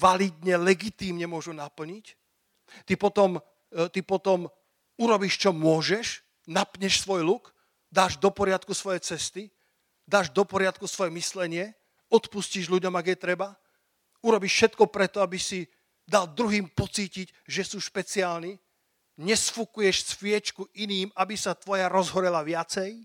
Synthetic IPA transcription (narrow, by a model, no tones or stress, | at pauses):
ʋalid̪ɲɛlɛɡit̪iːmɲɛmʊɔʒunapl̩ɲic | t̪ipɔt̪ɔm | t̪ipɔt̪ɔm | uɾɔbiːʃt͡ʃɔmʊɔʒɛʃ | napɲɛʃsʋɔjluk | d̪aːʒd̪ɔpɔɾɪat̪kusʋɔjɛt͡sɛst̪i | d̪aːʒd̪ɔpɔɾɪat̪̚kusʋɔjɛmislɛɲɪɛ | ɔt̪pusciʒluɟɔmaɡjɛt̪ɾɛba | uɾɔbiʃʃɛt̪kɔpɾɛt̪ɔabisi | d̪ald̪ɾuɦiːmpɔt͡siːcic | ʒɛsuːʃpɛt͡siaːlni | ɲɛsfukujɛʃsfɪɛt͡ʃkuʔiniːmabisat̪ʋɔjaɾɔzɦɔɾɛlaʋɪat͡sɛj